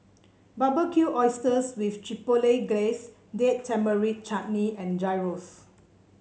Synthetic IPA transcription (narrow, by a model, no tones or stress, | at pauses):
babəkʰjuʔɔɪstəswiftɹipoleɡles | dettʰːɛ̃mbəɹit̚t͡ʃaʔ̚niɛ̃nd͡ʒajɹof